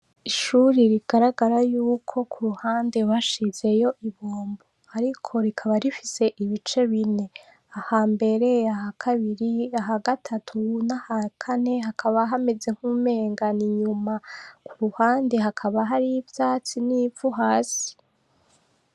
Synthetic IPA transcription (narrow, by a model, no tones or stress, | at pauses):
iʃuɾiɾiɡ̥aɾaɡaɾajuːkʰo̞kʰuɾuhaːnde̞waʃize̞jo̞ʔiβoːmbo | aɾikʰo̞ɾikʰaβaɾifise̞ʔiβit͡ʃe̞βine̞ | ahaːmbe̞ɾe̞ahakʰaβiɾiaɦaɡatʰatʰunahakʰane̞ɦakʰaβaɦame̞d͡ze̞ŋ̥huːme̞ːŋɡaniɲumakuɾuhaːnde̞ɦakʰaβaɦaɾivjaːt͡siniːvuɦaːsi̥